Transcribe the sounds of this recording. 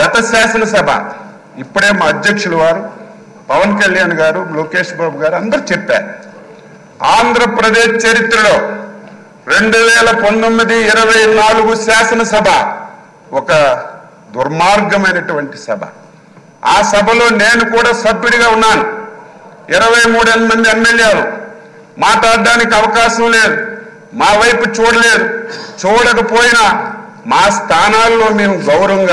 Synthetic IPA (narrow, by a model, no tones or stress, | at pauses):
ɡɐt̪ɐsaːsɐnɐs̬ɐbʱɐ̰ | ipːuɽe̞ːmaːɐd̪jɐkʂuluʋaːɾu | pɐʋɐnkɐljaːnɡaːɾuloːke̞ːʂbaːbuɡaːɾuɐnd̪ɐɾut͡ʃɛpːa̰ːɾu | aːnd̪ʱɾɐpɾɐd̪e̞ːʃt͡ʃɐɾit̪ɾɐlo̞ː | ɾe̞ɳɖuʋɛːlɐpɐnt̪omːid̪iːɾɐʋɐjnaːluɡusaːsɐnɐsɐbʱɐ | ɔkɐ | d̪uɾmaːɾɡɐmɐjnɐʈuʋɐɳʈisɐ̰bʱɐ̰ | aːsɐbʱɐlo̞ːne̞ːnukuːɽaːsɐbːiɽiɡaːunːaːnu | ɪɾɐʋɐjmuːɽend̪umɐnd̪iemːeljeːlu | maːt̪aːd̪aːnikiɐʋɐkaːʃɐmle̞ːd̪u | maːʋɐjput͡ʃuːɽɐle̞ːd̪ut͡ʃuːɽɐkɐpo̞ːjinɐ | maːst̪ʰaːnaːlːo̞ːmeːmuɡɐwɾɐɐŋɡa